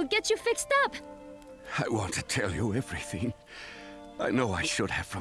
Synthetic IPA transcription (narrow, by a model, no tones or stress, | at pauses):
lɡɛt͡ʃɨfɪkstʌp | aɪwɑ̃ntʰɨtʰɛlˠjəɛvɹiθɪ̃ŋ | aɪnoʊaɪʃʊd̚ɨv̥fɹʌ̃